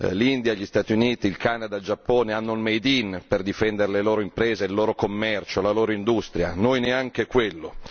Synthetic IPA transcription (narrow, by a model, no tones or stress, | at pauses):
lind̪jaʎːist̪aːt̪juniːt̪iːlkanad̪ald͡ʒapːoːneanːolmejd̪inperd̪ifɛnd̪eɾeleloːɾoimpɾɛːzeilːoːɾokomːɛrt͡ʃolaloːɾoind̪ust̪ɾja̰nojneaŋk̟ekwelːo